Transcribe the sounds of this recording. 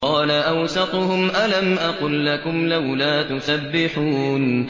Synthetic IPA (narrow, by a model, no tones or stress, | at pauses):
qɑːlaʔawsɑt̪ˤʊhʊmʔalamʔɑqʊlːakʊmlawlaːt̪ʊsabːɪħuːn